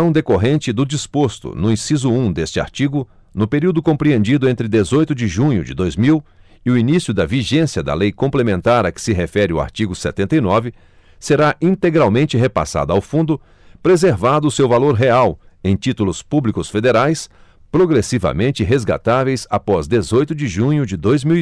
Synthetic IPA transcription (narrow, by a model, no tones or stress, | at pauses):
ɐ̃w̃d̪ekoɦẽnt͡ʃɪd̪ʊd͡ʒispost̪ʊ̰nʊĩsizʊũd̪est͡ʃɪa̰ɾt͡ʃiɡʊ | nʊpeɾiwd̪ʊkõpɾiẽnd͡ʒid̪ʊẽnt̪ɾɪd̪ezojt̪ʊd͡ʒɪʒũɲʊd͡ʒɪd̪ojzmiw | ɪʊinisjʊd̪ɐviʒẽsiɐd̪ɐ̰lejkõmplemẽnt̪aɾɐkɪ̥sɪɦefɛɾɪʊwa̰ɾt͡ʃiɡʊset̪ẽnt̪ɐjnɔvɪ | seɾaʔĩnt̪eɡɾawmẽnt͡ʃɪɦepa̰sa̰d̪ʊawfũnd̪ʊ | pɾezeɾvad̪ʊːsewvaloɾɦeaw | ẽj̃t͡ʃit̪ulʊspublikʊsfed̪eɾajs | pɾoɡɾesivɐ̰mẽnt͡ʃɪɦezɡa̰t̪avejsapɔzd̪ezojt̪ʊd͡ʒɪʒũɲʊd͡ʒɪd̪ojzmiw